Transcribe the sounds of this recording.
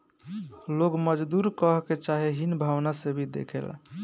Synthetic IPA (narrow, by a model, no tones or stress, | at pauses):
loɡməd͡ʒd̪uɾkəɦket͡ʃaɦeɦinbʱawnasebʱid̪ḛkʰḛl